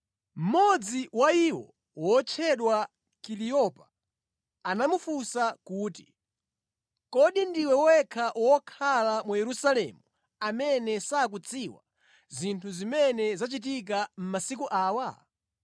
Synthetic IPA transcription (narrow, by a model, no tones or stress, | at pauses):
m̩mɔd͡ziwaiwɔ̰ | wɔt͡ʃʰɛɗwa | kiɾijɔpa | anamufusakuːti | kɔɗindiwɛwɔwɛkʰaʔwɔkʰalamujɛɾusalɛ̰mu | amɛnɛsaːk̬ut͡sʰiwa̰ | zintʰuzimɛnɛzat͡ʃit̬ik̬am̩masikuʔaːwa